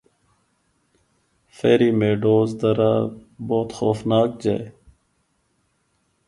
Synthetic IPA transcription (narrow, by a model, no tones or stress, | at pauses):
feːɾiːmeːɖoːzd̪ɐɾaːboːt̪xoːfnaːk̚d͡ʑa̰e